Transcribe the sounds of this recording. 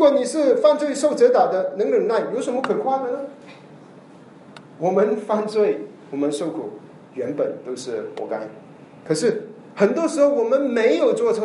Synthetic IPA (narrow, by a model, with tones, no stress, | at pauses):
ɻu˧˥kwɔ˨˩ni˨˩ʂɻ̩˥˩fa˥˧nt͡swe˥˩ɪʂo˥˩ʊt͡sɤ˧˥t̪a˨˩d̪ə˦nɤ˧˥ŋlə˨˩ŋna˥˩ɪjjʂə˧˥mə˦kʰɤ˨˩kʰwa˥˩d̪ə˨˩nə˩ | wɔ˨˩mə˦nfa˥˧nt͡swe˥˩ɪwɔ˨˩mə˦nʂʊkʰu˨˩ | ɥɛ˧˥npə˨˩nt̪o˥ʊʂɻ̩˥˩mwɔ̰˧˥ka˥n | kʰɤ˨˩ʂɻ̩˥˩ | xə˨˩nt̪wɔ˥ʂɻ̩˧˥xo˥˩ʊwɔ˨˩mə˦nme˧˥ɪjo˨˩ʊt͡swɔ˥˩ʈ͡ʂʰɤ˧˥